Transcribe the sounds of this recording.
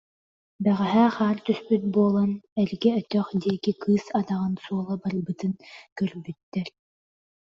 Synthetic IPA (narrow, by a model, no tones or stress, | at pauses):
bɛʁɛɦɛχaːɾt̪yspyt̪̚buɔlˠanɛɾɡɛœt̪œχd̪iɛkikʰɯːsad̪aʁɯnsuɔlˠabaɾbɯt̪ɯnkœɾbyt̪ːɛɾ